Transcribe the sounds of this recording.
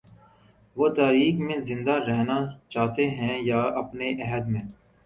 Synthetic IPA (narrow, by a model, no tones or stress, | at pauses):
ʋoːt̪aːɾiːkmẽzɪ̃nd̪aɾɛɦnat͡ʃaːt̪eɦɛ̃jaːɐpneʔɛɦəd̪mẽː